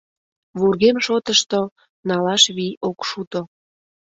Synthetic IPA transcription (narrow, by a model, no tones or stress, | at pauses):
βurɣemʃot̪əʃt̪o | nɑlɑʃβiokʃut̪o